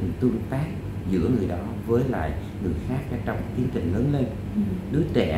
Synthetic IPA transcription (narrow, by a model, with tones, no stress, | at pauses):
t̪ɨ˧əŋt̪aː˦˥k̚ | zɨ̰˧˥əŋɨ˨˩əjɗɔ˨˦vəː˨˦jla̰ː˧˨j | ŋɨ̰˨˩əjxaː˦˥k̚kaː˨˧˥t͡ɕə˨˧˩wŋ͡mt̪i˨˦ənt̪ï˨˩ŋ̟ləː˨˦nle˧n | ɗɨ˨˦ət͡ɕɛ̰˧˩